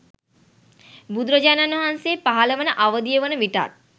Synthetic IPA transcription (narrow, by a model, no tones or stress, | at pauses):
bud̪ɾod͡ʒananuɦanseːpaɦaləʋənəʔaʋəd̪ijəʋənəʋiʈa̰t̪̚